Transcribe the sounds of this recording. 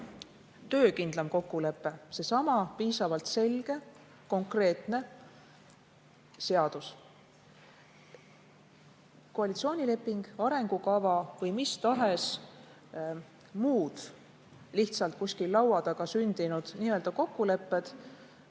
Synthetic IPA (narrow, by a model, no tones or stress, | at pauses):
t̪ø̞ːkind̪lɑmko̞kːule̞pˑːe̞se̞sɑmɑpiːsɑvɑlt̪se̞lɡ̥e̞ | ko̞ŋkre̞ːt̪ˑne̞ | se̞ɑd̪̥us | koɑlʲit̪sio̞ːnʲile̞pːˑiŋɡ̥ɑɾe̞ŋɡ̥ukɑvɑvɤjmist̪ɑɦe̞s | muːd̪̥ | liht̪sɑlt̪̚kusʲkilːɑwɑd̪̥ɑɡ̥ɑsynd̪̥inud̪̥niːø̞ld̪ɑko̞kːule̞pːˑe̞d̪̥